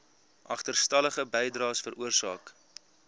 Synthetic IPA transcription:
ʔɐχtərstɐləχəbɛjdrɑːsfəɾuərsɑ̰ːk

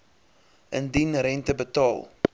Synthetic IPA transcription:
ʔəndinɾɛntəbətɑːlˠ

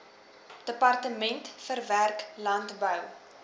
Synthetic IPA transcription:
d̥əpɑrtəmɛntfərværklɐntbəw

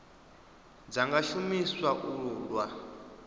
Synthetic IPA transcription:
d͡zaŋɡaʃumiswaʔulwa

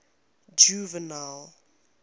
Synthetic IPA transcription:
d͡ʒuvənal

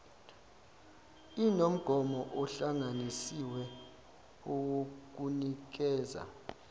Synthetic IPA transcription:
inom̩ɡ̥ʱɔmɔʔɔɬaŋanisiwɛ | owok̬unik̬ɛːza̰

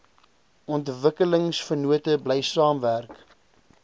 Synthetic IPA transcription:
ʔɔntvəkələŋsfənuətəbləjsɑːmværk

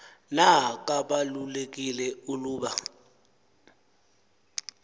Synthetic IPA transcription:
nakʼaɓalulekʼilɛuluːɓa

